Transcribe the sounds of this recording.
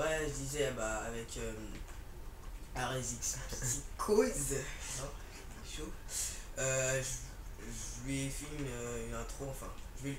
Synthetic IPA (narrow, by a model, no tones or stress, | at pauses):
wɛʒəd̪izɛbaːvɛkʰøm | aʁezikspt̪ikʰoznɔ̃ | ʃo | øʒə | ʒəvuɥefilmøylɛ̃t̪χoɑ̃fɛ̃ʒəve